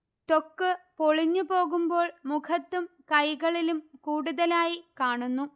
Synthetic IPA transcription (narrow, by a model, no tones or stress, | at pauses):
t̪o̞kːɨpoɭiɲːupo̞ːɣumbo̞ːɭmukʰɐt̪ːumkɐjɣɐɭilumkuːɽuðɐlaːjikaːɳunːu